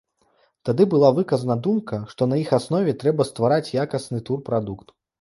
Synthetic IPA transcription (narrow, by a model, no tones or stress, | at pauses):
t̪ad̪ɨbɨlˠavɨkɐzɐnɐd̪umkɐʂt̪ɔnɐjixasnɔvʲɛt̪ɾɛbɐst̪vaɾat͡sʲjakɐsnɨt̪urpɾad̪ukt̪